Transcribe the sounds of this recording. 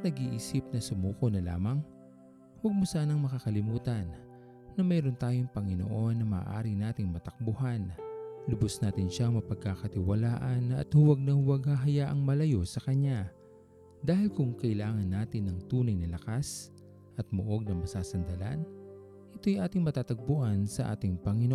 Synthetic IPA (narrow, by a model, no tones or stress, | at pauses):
ɐnɐɡiːʔiːsɪp̚nɐsʊmuːko̞nɐla̰ːmɐŋ | wɐɡ̚mosaːnɐŋmɐkakɐlɪmuːt̪ɐnː | ɐmɛːɾont̪aːjoŋpɐŋɪno̰ʔo̞nːɐmɐ̰ːʔa̰ːɾɪŋnaːt̪ɪŋmɐt̪ɐk̚bʊhanlʊbosnaːt̪ɪnʃaɐŋmɐpɐɡ̚kakɐt̪ɪwɐlaːʔɐnɐ̰t̪hʊwɐɡ̚nɐhʊwɐɡhɐɦɐjaʔɐŋmɐlɐjo̞sɐkɐɲa | d̪aːhɪlkʊŋkɐʔɪlaːŋɐnːaːt̪ɪnːɐŋt̪uːnɐjnɐlɐkas | ʔɐt̪̚moʔo̞ɡ̚nɐŋmɐsaːsɐnd̪ɐla̰n | ʔɪt̪o̞jʔaːt̪ɪŋmɐt̪aːt̪ɐɡ̚bʊʔansɐʔa̰ːt̪ɪŋpɐŋɪno